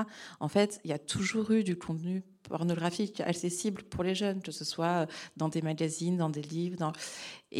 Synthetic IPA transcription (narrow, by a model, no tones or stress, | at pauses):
ɑ̰̃fɛt̪ilat̪ʰuʒuʁyd̪ykʰɔ̃t̪ny | pʰɔ̰ʁnɔɡʁafika̰ksesiblpuʁleʒœnkəsəswaød̪ɑ̃d̪emaɡazind̪ɑ̃d̪elivʁd̪ɑ̃ḛ